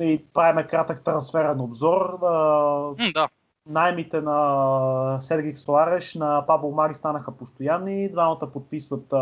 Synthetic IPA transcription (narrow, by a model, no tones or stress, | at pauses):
ipɾaimɛkɾat̪ək̚t̪ɾɐnsfɛɾɛnobzɔɾə | d̪a | naɛmit̪ɛnɐ | sɛd̪ɡiksoaɾɛʃnɐpabomaɡʲist̪anəxəpost̪ojanːid̪vamət̪əpot̪̚pisvət̪